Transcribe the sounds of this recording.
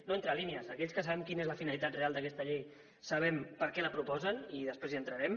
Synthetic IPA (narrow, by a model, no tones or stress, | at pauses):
noent̪ɾəliniəzəkɛʎskəsaβɛmkinezləfinəlit̪at̪realˠd̪əkɛst̪əʎej | saβ̞ɛmpəɾkɛləpɾupɔzəniðəspɾeziənt̪ɾəɾɛm